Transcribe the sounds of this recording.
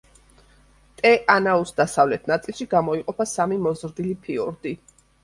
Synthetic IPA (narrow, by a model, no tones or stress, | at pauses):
t̪ʼɛʔanausd̪asavlɛt̪ʰnat̪sʼilˠʃiɡamɔiqʼɔpʰasamimɔzɾd̪ilipʰiɔɾd̪i